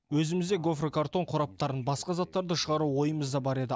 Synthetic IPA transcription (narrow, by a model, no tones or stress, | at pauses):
wɵzɪmɪzd̪e̞ɡo̞frekaɾt̪o̞ɴqʰʊɾɑp̚t̪ɑɾənbɑsqɑzɑt̪ːɑɾd̪əʃəʁɑɾuwo̞jəməzd̪ɑbɑɾe̞d̪ɪ